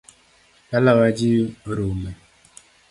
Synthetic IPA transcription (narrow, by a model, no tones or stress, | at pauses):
balawad͡ʒiɾomɛ